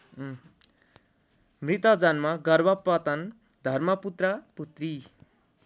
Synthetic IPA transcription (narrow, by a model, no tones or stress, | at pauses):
mrit̪ʌd͡zʌnmaɡʌrbʌpːʌt̪ʌn | d̪ʱʌrmʌput̪rʌput̪ri